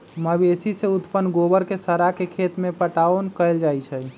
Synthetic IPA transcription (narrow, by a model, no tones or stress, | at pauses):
məbesiseut̪pənɡobəɾkesəɾakekʰet̪mepəʈaonkəɪld͡ʒajt͡ʃʰə